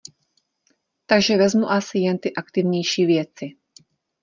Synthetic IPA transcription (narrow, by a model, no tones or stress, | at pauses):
t̪aɡʒɛvɛzmuʔasɪjɛnt̪ɪʔakt̪ɪvɲɛjʃiːvjɛt͡sɪ